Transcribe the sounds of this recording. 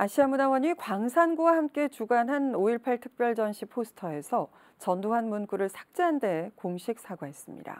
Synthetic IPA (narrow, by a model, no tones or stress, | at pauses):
aɕʰiamunawʌɲikwaŋsʰanɡuwahamk͈e̞t͡ɕuɡanɦanoiɭpʰaɭtʰɯ̥k̚p͈jʌɭd͡ʑʌnɕʰipʰosʰɯ̥tʰʌe̞sʰʌ | t͡ɕʌndoɦanmunk͈uɾɯɭsʰḁk̚t͡ɕ͈eɦande̞koŋɕʰik̚s͈ʰaɡwaɦe̞s͈ɯmɲḭda̰